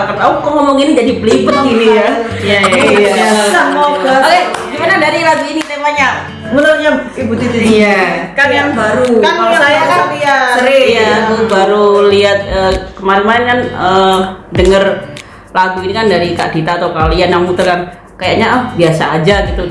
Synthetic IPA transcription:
kat̪aukɔŋɔmɔŋinid͡ʒadipəlipətɡinija | jaja | samoɡaaleɡimanadaɾilaɡuininemaɲa | bunəlɲa | ibut̪it̪iijakanjaŋbaɾukaaajakapiaəɾijaubaɾuliat̪̚əːkəmaɾimankanəːdəŋər | laɡuinikandaɾika̰ʔd̥it̪aːt̪awkalianjaŋmut̪ərkan | kajaʔɲaəhbiasaːd͡ʒaɡit̪u

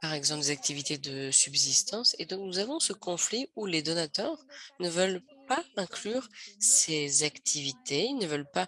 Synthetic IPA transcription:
paʁɛɡzɑ̃pld̪ezak̚t̪ʰivit̪ed̪əsybzist̪ɑ̃sed̪ɔ̃knuzavɔ̃səkɔ̃fliuled̪ɔnat̪œʁnəvœlpaɛ̃klyʁsezakt̪ʰivit̪eilnəvœlpa

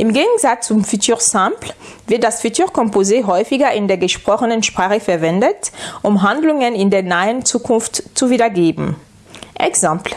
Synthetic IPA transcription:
ʔɪmɡeːɡŋ̩zat͡st͡sʊmfitʰyːʁsãmplvɪɐt̚d̥asfitʰyːɐʁkʰɔmpozeːɦɔʏfɪɡɐɪndeːɐɡəʃpʁ̥ɔχənənʃpʁ̥aːχəfɛɐvɛndətʔʊmɦandlʊŋənɪndeːɐnaɪənt͡suːkʰʊnftt͡suviːdɐɡeːbm̩ | ʔɛ̰ksãmpl

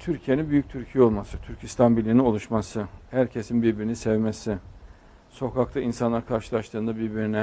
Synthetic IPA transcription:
t̪ʰyɾcʰijeninbyjyc̚t̪ʰyɾcʰijɛo̞lˠmasɯt̪ʰyɾcʰist̪ʰanbilʲinino̞lˠuʃmasɯhæɾcʰe̞sinbiɾbiɾinisɛvmesɪ | so̞kʰak̚t̪ʰainsanlˠaɾkʰaɾʃɯlˠaʃt̪ˠɯːnd̪abiɾbiɾinɛ

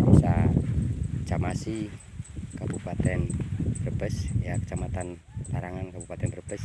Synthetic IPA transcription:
b̥isḁ | d͡ʒamasi | kabupat̪ɛnb̥ərbəsjakə̥t͡ʃamat̪an | t̪aɾaŋankabupat̪ɛnbərb̥əs

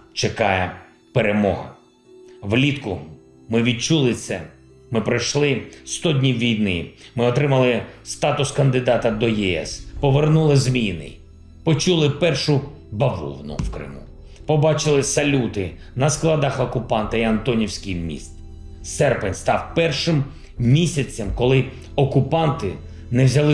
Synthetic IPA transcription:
t͡ʃekɑjɛ | peɾemɔɦɐ̰ | ʋlʲit̪kʊ | mɪʋʲid̪̚t͡ʃulˠɪt̪sɛ̰ | mɪpɾɐjʃlˠɪst̪ɔd̪ʲnʲiwːʲijnɪmɪɔt̪ɾɪmɐlˠɪst̪ɑt̪ʊskɐnd̪ɪd̪ɑt̪ɐd̪ɔjɛɛ̰spɔʋernulˠɪzmʲijnɪ̰j | pɔt͡ʃulˠɪpɛrʃʊ | bɐʋṵwnʊ̰wkɾɪ̰mṵ | pɔbɑt͡ʃɪlˠɪsɐlʲut̪ɪnɐsklˠɐd̪ɑxɔkʊpɑnt̪ɐiɐnt̪ɔnʲiwsʲkʲɪjmʲḭst̪ | sɛrpɪnʲst̪ɑwpɛrʃɪm | mʲisʲɐt͡sʲːɐmkɔlˠɪ | ɔkʊpɑnt̪ɪ | nɛwzʲɐlˠɪ

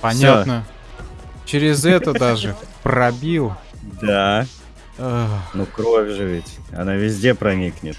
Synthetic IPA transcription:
pɐnʲatnə | t͡ɕɪɾʲɪzɛt̪əd̪aʐɨprɾɐbʲilˠ | d̪a | anukɾovʲʐɨvʲɪtʲ | ɐ̰navʲɪzʲdʲepɾɐnʲiknʲɪt̪

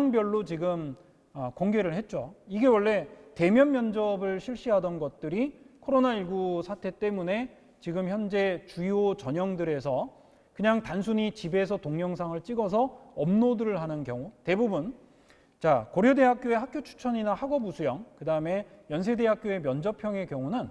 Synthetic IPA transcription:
ŋbjʌɭːot͡ɕiɡɯm | ʌkoŋɡe̞ɾɯɭhe̞t̚t͡ɕ͈oiɡe̞wʌɭːe̞te̞mjʌnmjʌnd͡ʑʌbɯɭɕʰiɭɕ͈iɦadʌnɡʌt̚t͈ɯɾikʰoɾonaiɭɡusʰatʰe̞t͈e̞mune̞ | t͡ɕiɡɯmçjʌnd͡ʑe̞t͡ɕuiot͡ɕʌɲʌŋdɯɾe̞sʰʌ | kɯɲaŋtansʰuɲit͡ɕibe̞s̬ʰʌtoŋɲʌŋs̬ʰaŋɯɭt͡ɕ͈iɡʌs̬ʰʌʌmnodɯɾɯɭɦanɯnkjʌŋute̞bubun | t͡ɕakoɾjode̞ɦak̚k͈joe̞ɦakʰjot͡ɕʰu̥t͡ɕʰʌɲinahaɡʌbusʰujʌŋkɯdaɯme̞jʌns̬ʰe̞de̞ɦak̚k͈joe̞mjʌnd͡ʑʌpʰjʌŋe̞kjʌŋunɯn

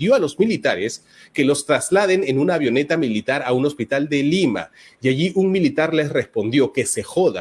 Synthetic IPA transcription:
joalo̞zmilit̪aɾes | ke̞lo̞st̪ɾazlað̞e̞ne̞nunaβjo̞ne̞t̪amilit̪aɾauno̞spit̪ald̪e̞lima̰ | jaʝiʔuŋmilit̪aɾle̞sre̞spo̞nd̪jo̞ke̞se̞xo̞ða̰

